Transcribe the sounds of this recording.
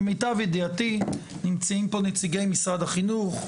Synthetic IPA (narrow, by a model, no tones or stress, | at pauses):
mitavideati | nɪmt͡siimpɔnɪt͡siɡeɪmisadaχinuχ